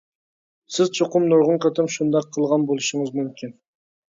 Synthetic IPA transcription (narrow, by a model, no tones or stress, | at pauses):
sɪzt͡ʃʰoqʊmnʊɾʁʊɴqʰɑt̪ɨmʃund̪ɑqʰːəlˠʁɑnbolˠɨʃəŋɨzmymkʲʰin